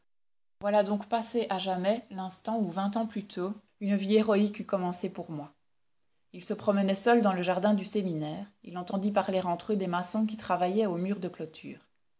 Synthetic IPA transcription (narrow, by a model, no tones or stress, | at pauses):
vwalad̪ɔ̃kpaseʔaʒamɛlɛ̃st̪ɑ̃uvɛ̃t̪ɑ̃plyt̪ʰo | ynvieʁɔikykɔmɑ̃sepuʁmwa | ilsəpχɔmənɛsœld̪ɑ̃ləʒaʁd̪ɛ̃d̪yseminɛːʁḭlɑ̃t̪ɑ̃d̪ip̬aʁleʁɑ̃t̪χød̪emasɔ̃k̬ʲit̪χavajɛomyːʁd̪əklɔt̪ʰy̰ːʁ